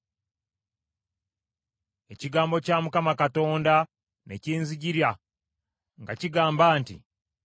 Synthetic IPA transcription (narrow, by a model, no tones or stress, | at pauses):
e̞ciɡaːmbo̞caːmukamakato̞ːnda | ne̞ciːnziɟiɾja | ŋɡaciɡaːmbaːntḭ